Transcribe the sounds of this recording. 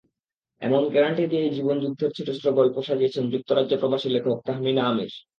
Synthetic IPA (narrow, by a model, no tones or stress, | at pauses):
ɛ̰monɡɛɾaɳʈid̪ied͡ʑibond͡ʑud̪ʱːeɾt͡ɕʰeʈesʈ̪ɾoɡɔlpoʃad͡ʑiet͡ɕʰend͡ʑuk̚t̪ʰoɾad͡ʑd͡ʑopɾobaʃilekʰok̚t̪aɦminamḭɾ